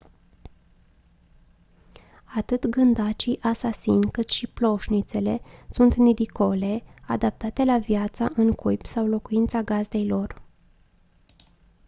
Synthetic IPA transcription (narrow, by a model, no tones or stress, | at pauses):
at̪ɨt̪ɡɨnd̪at͡ʃiʔasasinʲkɨt̪ʃiplo̞ʃnit̪se̞le̞sunt̪nid̪iko̞le̞a̰d̪ap̚t̪at̪e̞lavijat̪saʔɨŋkujpsawlo̞kuint̪saɡazd̪e̞jlo̞r